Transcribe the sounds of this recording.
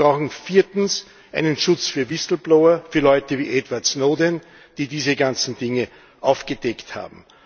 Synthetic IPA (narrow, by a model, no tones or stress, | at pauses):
ʁaʊxŋ̩fiːɐtn̩s | ʔæ̰ɪnənʃʊt͡sfyːɐvɪsl̩blaʊɐfyːɐlɔʏtəvḭːʔɛdvaɐtsnoːdən | d̥iːdiːzəɡant͡sn̩dɪŋə | ʔaʊfɡ̥əd̥ɛktha̰ːbm̩